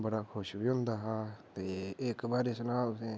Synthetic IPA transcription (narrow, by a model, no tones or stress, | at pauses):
bəɽaːkʰʊʃbiɦõːnd̪aːɦaːt̪eːeːkbaːɾesʊnaːʊsẽː